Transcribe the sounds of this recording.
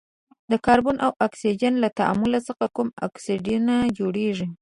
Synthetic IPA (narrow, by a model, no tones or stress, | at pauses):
d̪əkɑɾbonʔawʔaksid͡ʒanlat̪aʔa̰mʊlasəxakuma̰ksiɖunad͡ʒoɽeʐi